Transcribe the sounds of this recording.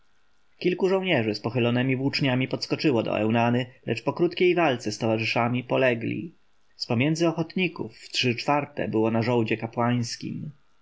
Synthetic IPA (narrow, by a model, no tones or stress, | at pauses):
kʲilkuʐɔ̃w̃ɲɛʐɘspɔxɘlɔnɛmʲivwut͡ʂɲamʲipɔt̪skɔt͡ʂɘwɔd̪ɔ̰ʔɛ̰wnanɘlʔɛt͡ʂpɔkɾut̪kʲejvalt̪sɛst̪ɔvaʐɘʂamʲipɔlɛɡlʲḭ | spɔmʲjɛndzɘɔxɔt̪ɲikuftʂɘt͡ʂfaɾt̪ɛ̰bɘwɔnaʐɔwd͡ʑɛkapwaj̃skʲḭm